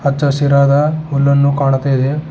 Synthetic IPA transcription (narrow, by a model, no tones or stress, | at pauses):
ɐt͡ʃːɐsiɾaːd̪ɐɦulːɐnːukaːɳɐt̪ːɐjid̪e